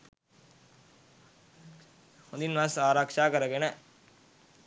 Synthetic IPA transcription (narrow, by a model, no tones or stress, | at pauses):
hond̪inʋasaːɾaːkʂaːkɐɾɐɡenɐ